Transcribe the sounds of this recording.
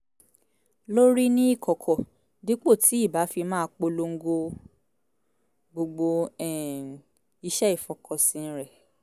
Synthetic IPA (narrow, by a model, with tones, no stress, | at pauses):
lo˦ɾi˦nĩ˦i˦˨kʰɔ˨kʰɔ˨ | di˦k͡po˦˨tʰi˨˦i˦˨ba˨˦fi˧mãː˦˧k͡po˧lo˧ŋ̩˦ɡo˧ | ɡ͡bo˧ɡ͡bo˧ɛ˨ | i˧ʃɛ˦i˦˨fɔ˨kʰɔ˨sĩ˧n̩˦ɾɛ˨